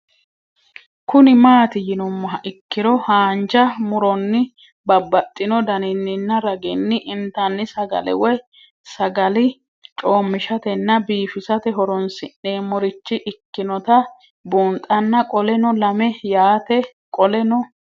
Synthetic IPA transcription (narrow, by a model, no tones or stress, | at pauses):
kʊnɪmaːt̪ɪjɪnʊmːɐɦɐʔɪkːɪɾɔhaːnd͡ʒɐmʊɾɔnːɪ | bɐbːɐt̪ʼːɪnɔd̪ɐnɪnːɪnːɐɾɐɡɪnːɪʔɪnt̪ɐnːɪsɐɡɐ̰lɛ̰wɔj | sɐɡɐlɪ | t͡ʃʼoːmːɪʃɐt̪ɛnːɐbiːfɪsɐt̪ɛɦɔɾɔnsɪnːe̞ːmɔɾɪt͡ʃːɪʔɪkːɪnɔt̪ɐ | buːnt̪ʼɐnːɐkʼɔlɛnɔlɐmɛjaːt̪ɛ | kʼɔlɛnɔ